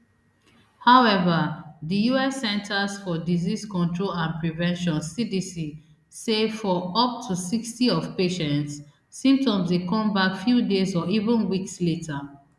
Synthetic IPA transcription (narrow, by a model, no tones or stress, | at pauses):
haʊɛvəðijuɛsɛ̃ntʰəsfɔdiziskɔ̃ntʰɹolãnpɹivɛ̃nʃɔ̃nsidisi | sefɔɔp̚tʰusikstiɔv̥peʃɛ̃ntsː | ĩmp̚tɔ̃mzwekɔ̃mbakfjudezɔivə̃nwiksletʰə